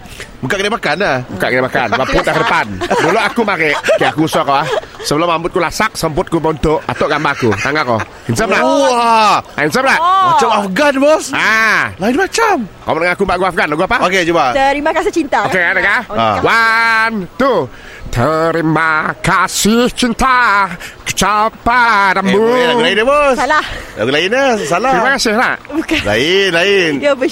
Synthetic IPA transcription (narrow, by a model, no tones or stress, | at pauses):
mukaʔkədimakanamukaʔkədimakanmabut̪akdəpanduloakumakɛʔkɛakuusɔkɔʔah | səbəlʊmambʊt̪̚kulasak̚səmpʊt̪̚kupɔnd̪̥ɔʔa̰t̪awɡambakut̪aŋakɔ̰ | insəmla | ainsəmlamat͡ʃamafɡanbɔsalaɪnmat͡ʃamkamɔnəŋakumbaʔɡuafɡanlaɡuapaoked͡ʒubat̪əɾimakasɪht͡ʃint̪aokekadakawant̪u | t̪əɾimakasɪht͡ʃint̪akə̥t͡ʃapadambulaɡulainəbɔsalahla̰ɡulaɪnəsalatəɾimakasɪhlakla̰ɪnlaɪb